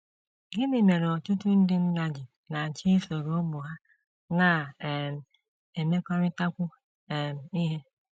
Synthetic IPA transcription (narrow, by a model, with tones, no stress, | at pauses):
ɡɪ˦nɪ˦˨me˨ɾɔ˨tʊ˦tʊ˦n̩˦dɪ˦n̩˦na˦d͡ʒɪ˨ | na˨t͡ʃi˦fo˨ɾo˦o˦bʊ˨ɦa˦ | na˨m̩˨ | e˨me˦kʷa˦ɾɪ˦ta˦kʷʊ˦˨ | m̩˨i˦ɦe˦